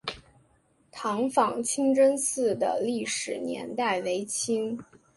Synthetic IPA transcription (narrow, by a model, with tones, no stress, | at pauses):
t̪ʰɑ˧˥ŋfɑ˨˩ŋt͡ɕʰi˥ŋʈ͡ʂə˥nsɹ̩˥˩d̪ə̰˩li˥˩ʂɻ̩˨˩njɛ̰˧˥nt̪a˥˩ɪwe˧˥ɪt͡ɕʰi˥ŋ